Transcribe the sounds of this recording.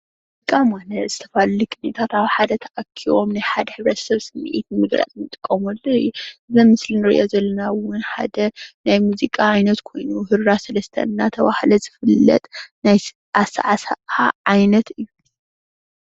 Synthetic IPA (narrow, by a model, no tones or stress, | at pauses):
muzikʼːamwanɐz̥ɨt̪ʰɐfallikʼɨnet̪ʰat̪aβħad̪ɐt̪ʰɐʔɐkʰːiwomnajħad̪ɐħɨβɾɐt̪sɐβsɨmːḭʔit̪nɨmɨɡɾa̰t͡s̪nɨt̪ʼɨkʼːomɐlːoɨjuɨzɐmmɨslinɨɾḭʔozɐlːɐnawʊnħa̰d̪ɐnajmuzikʼaʕajnɐt̪kʰo̞jnuhɨɾɾasɐlɐst̪ʰɐ̰nːat̪ʰɐβahlɐzɨfɨlːɐ̰t̪ʼnaj | ʔasa̰ʕasaʔaʕajnɐt̪ɨjːu